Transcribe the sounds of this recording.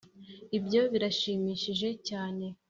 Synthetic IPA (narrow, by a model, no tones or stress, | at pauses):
ibjo̞βiɾaʃiːmiːʃiʒe̞caːne̞